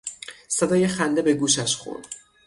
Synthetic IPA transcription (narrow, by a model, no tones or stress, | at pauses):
sed̪ɒːje̞xænd̪ebe̞ɡuːʃæʃxo̰ɾd̪̥